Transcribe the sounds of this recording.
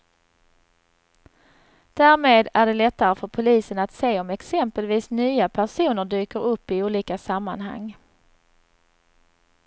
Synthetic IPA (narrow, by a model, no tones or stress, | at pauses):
d̪̥æːɾmeːd̪æɖɛlɛt̪ːaɾəfœɾpʰʊliːsənat̪seːɔmɛksɛmpəlviːsnyːapʰæʂuːnəɖyːkəɾɵpːɪuːliːkasamːanɦa̰ŋː